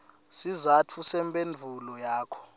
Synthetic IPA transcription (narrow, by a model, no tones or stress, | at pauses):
sizatʰusɛmpʼend͡ɮʱulɔjaːkʰɔ̥